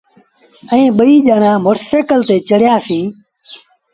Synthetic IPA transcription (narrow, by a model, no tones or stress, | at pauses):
ɛĩːɓəiːʄaːnãːmʊɾseːkəlt̪eːt͡ʃəɽ̤jaːsĩː